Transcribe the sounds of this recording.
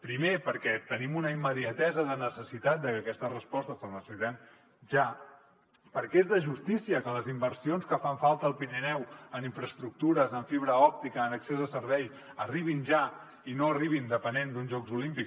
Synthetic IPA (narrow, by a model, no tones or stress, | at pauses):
pɾimepəɾkɛt̪ənimunəimːəðiət̪ɛzəðənəsəsit̪at̪̚d̪əkəkɛst̪ərəspɔst̪əsəlnəsəsit̪an | ʒa | pəɾkɛezðəʒust̪isiəkələzimbəɾsionskəfaɱfalˠt̪əːlˠpinənɛwəniɱfɾəst̪ɾuk̚t̪uɾəzəɱfiβ̞ɾəɔp̚t̪ikəːnəksezəsəɾβɛjs | əriβ̞inʒa | inoəriβ̞ind̪əpənend̪unzʒɔkzulimpiks